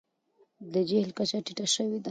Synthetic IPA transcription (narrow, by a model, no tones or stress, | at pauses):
d̪əd͡ʒehlkat͡ʃaʈiʈaʃəwid̪a